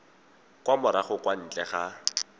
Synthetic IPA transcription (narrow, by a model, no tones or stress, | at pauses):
kwamʊɾaχʊkwan̩ːt͡ɬʼɛχa